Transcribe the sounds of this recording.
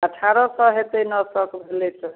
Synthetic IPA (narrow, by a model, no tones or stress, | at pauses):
əʈʰaɾɔsʌɦet̪enʌsʌkbʱelet͡sʰɔ